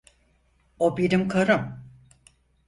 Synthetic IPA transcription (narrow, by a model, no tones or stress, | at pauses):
obiɾimkʰaɾɯm